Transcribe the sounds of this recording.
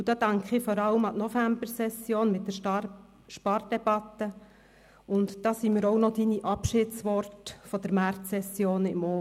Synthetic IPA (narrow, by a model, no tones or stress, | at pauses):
d̥̪ɑːtɑŋkʰχɪfɔɾɑləmɑtnɔfæmbəɾsɛsjoːnmɪt̪̚d̥əɾ | ʃpɑrd̥ɛb̥ɑt̪ːə | ʊntd̥ɑːsiːmiːɾɔwnɔd̥̪iniʔɑpʃɪːtsʋɔrtfɔd̥əɾmært͡sːɛsjoːnɪmɔ